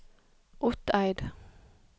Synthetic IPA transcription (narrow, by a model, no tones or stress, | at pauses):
ʔʊt̪æɪd̪